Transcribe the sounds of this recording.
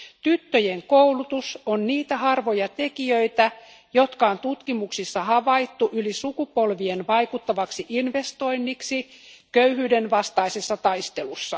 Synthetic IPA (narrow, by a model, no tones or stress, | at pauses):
t̪yt̪ːøjeŋkoulut̪usonniːt̪æhɑrʋo̞jɑt̪e̞kiøit̪æ | jo̞t̪kɑont̪ut̪kimuksisːɑhɑʋɑit̪ːuʔylisukupo̞lʋienʋɑjkut̪ːɑʋɑksiʔinʋe̞st̪o̞inːiksikøyhyːdenʋɑst̪ɑisesːɑt̪ɑist̪e̞lusːɑ